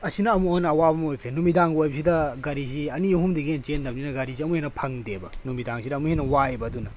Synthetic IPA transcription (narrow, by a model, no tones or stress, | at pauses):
ɐsinɐɐmuonɐɐwabɐmojkʰɾenumidaŋɡojbɐs̬idɐɡɐɾiziɐniɦumdiɡent͡ʃendɐbninɐɡɐɾiziɐmuhenːɐpʰɐŋdebɐnumidaŋsidɐmuhenːɐwaebɐdunɐ